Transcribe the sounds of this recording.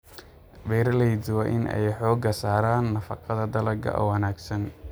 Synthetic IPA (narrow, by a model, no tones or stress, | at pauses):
bɛːɾlɛjd̪wɑːʔɪnʔɛ̰jħɔːɡɐsaːɾaːnːɐfɑqɑðɐd̪ɐlɐɡɐ̰ʔɔ̰wɐnaːɡsɐn